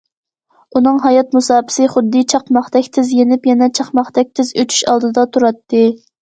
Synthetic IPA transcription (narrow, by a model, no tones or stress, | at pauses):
unɨŋɦɑjɑt̪musɑːpʰɪ̥sɨχʊd̪ːɨt͡ʃʰɑqmɑχd̪ɛkʲt̪ʰɪzjenɪpjɛnɛt͡ʃʰɑχmɑχd̪̥ɛk̚ʲt̪ʰɪzøt͡ʃ̪ʰy̥ʃɑlˠd̪ɨd̪ɑt̪ʰuɾɑt̪ːɨ